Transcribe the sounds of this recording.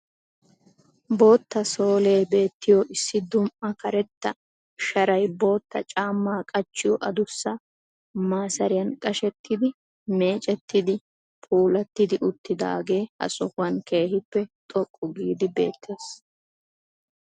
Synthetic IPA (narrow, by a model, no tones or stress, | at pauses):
bo̞ːt̪ːɐso̞ːle̞ːbe̞ːt̪ːɪjoʔɪsːɪd̪ʊmʔɐkɐɾɛt̪ːɐ | ʃɐɾɐjbo̞ːt̪ːɐt͡ʃʼaːmːaːkʼɐt͡ʃːɪjɔʔɐd̪ʊsːɐ | maːsɐɾɪjɐnkʼɐʃɛt̪ːɪd̪ɪ | me̞ːt͡ʃʼɛt̪ːɪd̪ɪ | pʰʼuːlɐt̪ːɪd̪ɪʔʊt̪ːɪd̪a̰ːɡe̞ːhɐ̰sɔhʊwɐnke̞ːhɪpːɛt̪ʼɔkʼːʊɡiːd̪ɪbe̞̰ːt̪ʰːe̞ːs